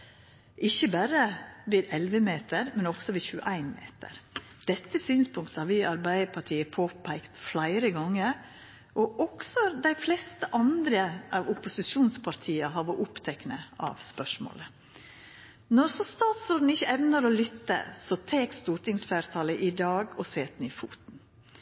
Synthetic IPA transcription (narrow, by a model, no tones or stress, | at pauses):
ʔɪçːəbæɾəʋɪd̪ɛlʋəmeːt̪əɾmɛnɔɡ̥sɔʋɪçʉə̰ʔæɪnmḛːt̪ʰə̰ɾd̪̥ɛt̪ːəsyːnspʰʊŋk̚t̪əhɑɾʋɪɑɾbæɪəpʰɑʈʰiːəpʰoːpʰæɪkt̪flæɪɾəɡɑŋːəɾ | ʔɔʔɔɡ̥sɔd̪æɪflɛst̪əʔɑnd̪ɾəʔɑʋʊpʊsɪʃuːnspʰɑɾt̪ʰiːəɦɑɾɔʔʊpt̪ʰɛknəʔɑ̰ʋspœʂmo̰ːlə | nɔɾsɔst̪ɑːt̪sɾoːd̪n̩ɪçːəɛʋnəɾɔlʏt̪ːə̰sɔt̪ʰeːkst̪uːɾʈɪŋsfæːɾt̪ʰɑləʔɪd̪ɑːɡɔseːt̪niːfṵːt̪n̩